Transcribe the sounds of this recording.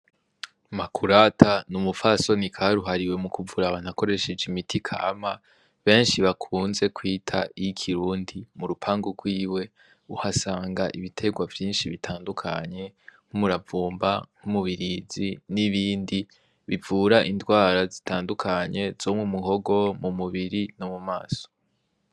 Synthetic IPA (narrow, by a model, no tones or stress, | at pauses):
makʰuɾatʰanumufaso̞nikʰaɾuɦaɾiwe̞mukuvuɾaβanako̞ɾe̞ʃe̞d͡ʒimitʰikʰa̰ːma | βe̞ːnʃiβakʰuːnze̞kwiːtʰa̰ijikʰiɾuːndimuɾupʰaːŋɡuɡwiːwe̞ | uhasaːŋɡaʔiβitʰe̞ɡwavjiːnʃiβitʰaːndukʰa̰ɲe̞ŋ̥humuɾavuːmbaŋ̥humuβiɾiziniβiːndi | βivuɾaʔindwaːɾazitʰaːndukʰaɲe̞z̥oːmwumuɦo̞ɡo̞mumuβiɾinomuma̰ːso